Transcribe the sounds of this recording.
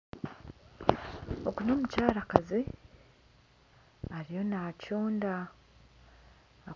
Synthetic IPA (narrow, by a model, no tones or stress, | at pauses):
okuno̞ːmucaːɾakazi | aɾijo̞nacoːnda